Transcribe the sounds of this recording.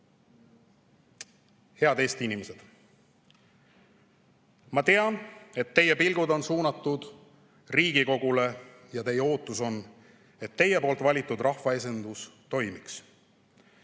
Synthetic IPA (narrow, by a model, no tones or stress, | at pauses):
he̞ɑd̪e̞ːst̪iinimese̞d̪̥ | mɑt̪e̞ɑne̞t̪ːe̞jepilɡ̥ud̪o̞nsuːnɑt̪ːˑud̪̥ | riːɡ̥iko̞ɡ̥ulejɑt̪e̞jeo̞ːt̪ːˑuso̞n | e̞t̪ːe̞je̞po̞ːlt̪vɑlʲit̪ːˑud̪rʔɑhvɑe̞se̞nd̪̥ust̪o̞jmiks